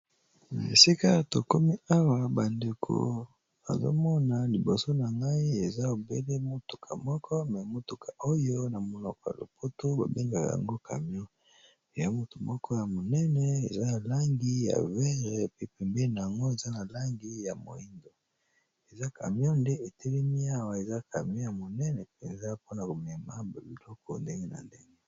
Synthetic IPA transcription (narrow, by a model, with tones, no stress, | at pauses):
na˨ḛ˨si˦ka˦˨to˨ko˦mi˦a˦wa˨ba˨nde˨kʰo̰˨ | a̰˨zo̰˦mɔ˦na˨li˨bo˨so˦na˨ŋɡa˦i˦e˨za˦o˨be˦le˦mo˦tu̥˨kʰa˨mɔ˦kʰɔ˦mɛ˨mo˦tu˨kʰa˨ʔo˦jo˦na˨mo˨nɔ˨kɔ˨ja̰˨lo̰˨po˦to˦ba̰˨be˦ŋɡa˨ka̰˨ja̰˨ŋɡo˦kʰa̰˨mjɔ̃˦ | e˨ja˦mo˦to˨mɔ˦kʰɔ˦ja˨mo˨nɛ˦nɛ˨ḛ˨za˦na˨la˦ŋɡi˦ja̰˨vɛ˦ʁɛ˨pi˦pɛ˨mbe˦na˨a˨ŋɡo˦e˨za˦na˨la˦ŋɡi˦ja˨mo̰˨i˦ndo˨ | e˨za˦kʰa̰˨mjɔ̃˦nde˦e˨tʰɛ˦le˦mi˦a˦wa˨e˨za˦kʰa˨mjɔ̃˦ja˨mo˨nɛ˦nɛ˨pɛ˨nza˦po˦na˨ko˨mɛ˨ma˦ba˨bi˨lɔ˦kɔ̰˨nde˦ŋɡe˦na̰˨nde˦ŋɡe˦